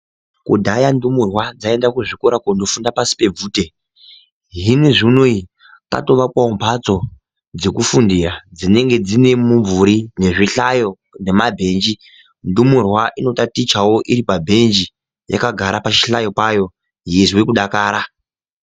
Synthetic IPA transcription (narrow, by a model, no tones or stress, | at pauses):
kudʱajandumurwad͡zae̞ndakuʐikoɾakondo̞fundapasi̥pe̞b͡vuːte̞ | ɦiniʐinui | ka̰to̞ʋakwaumpat͡so̞ | d͡ze̞kufundirad͡zine̞ŋɡe̞d͡zine̞muɱvuɾine̞ʐiɬajo̞ | ne̞mabʱe̞nd͡ʒi | ndumurwaʔinotatit͡ʃawo̞ʔiɾipabʱe̞nd͡ʒi | ja̰kaɡʱaɾapat͡ʃi̥ɬajo̞pajo̞ | ɦiizwekuɗakaːɾa